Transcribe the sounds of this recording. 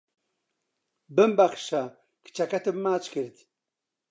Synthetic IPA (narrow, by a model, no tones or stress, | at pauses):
bɨmbaχʃa | kʰt͡ʃʰakat̪ʰɨbmaːt͡ʃkɨɾt̪